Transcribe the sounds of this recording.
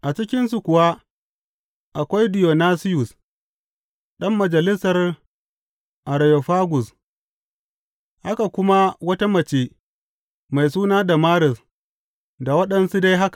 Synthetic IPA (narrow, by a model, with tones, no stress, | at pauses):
ʔa˨t͡ʃɪ˦kʲɪ˦nsu˨kʷʊ˨wa˦ | ʔa˨kʷa˦jdɪ˨jo˨naː˦sɪ˦jʊ˨s | ɗɐ˦mːɐ˨d͡ʒɐ˨lɪ˦sɐ˨r | ʔa˨ɾa˨jo˨ɸaː˦ɡʷʊ˨s | ʔa˦ka˨kʷʊ˦ma˦wɐ˦ta˦mɐ˨t͡ʃeː˦ | ma˨js̬uː˦naː˦da˨maː˦ɽɪ˨s | da˨wɐ˦ɗɐ˦nsu˦da˦jɦa˦kḁ˨